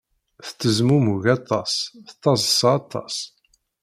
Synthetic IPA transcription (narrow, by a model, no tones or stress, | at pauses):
θə̥t͡s̪ːəzmumuʝɑt̪ˤːɑsθt̪ˤːɑzˤsɑːt̪ˤːɑ̰s